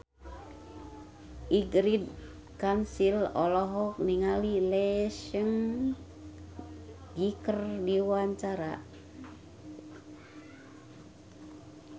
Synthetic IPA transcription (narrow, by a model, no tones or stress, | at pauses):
ʔiɡɾid̚ | kansilɔlɔɦɔk̚niŋalilɛʃəŋ | ɡikərdiwaɲt͡ʃaɾa